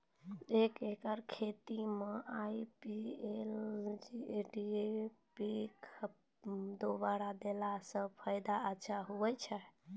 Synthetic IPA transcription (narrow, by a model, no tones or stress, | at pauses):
ekekəɾkʰet̪imeʔaipield͡ʒiɖiepikʰ | d̪obaɽad̪elasə̃pʰajd̪aətːʃʰaɦuɛt͡ʃʰɛ